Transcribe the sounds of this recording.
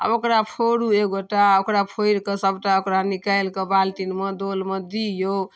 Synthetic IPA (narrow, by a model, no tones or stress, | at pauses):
ə̰bokɾapʰoɾuekɡoʈːaokɾapʰojɾkesəbʈaokɾanikaelkebalt̪inmed̪olmed̪ijo